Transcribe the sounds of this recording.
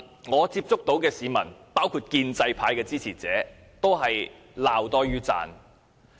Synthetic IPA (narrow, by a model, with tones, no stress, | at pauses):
ŋɔː˨˧t͡siː˧p̚t͡sʊ˥k̚t̪o˨˥wkɛː˧siː˨˧mɐ˨˩npaː˥wkʰuː˧t̚kiː˧nt͡sɐ˧jpʰaː˨˧jkɛː˧t͡siː˥t͡sʰiː˨˩t͡sɛː˨˥ | t̪o˥wɦɐ˨j | laː˨wt̪ɔː˥jyː˥t͡sa̰ː˨˧n